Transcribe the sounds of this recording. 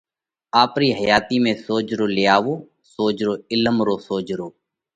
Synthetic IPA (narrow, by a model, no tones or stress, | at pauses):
aːpɾiːɦəjaːt̪iːmẽːsoːd͡ʒɾoːlɪjaːʋoː | soːd͡ʒɾoːɪləmɾoːsoːd͡ʒɾoː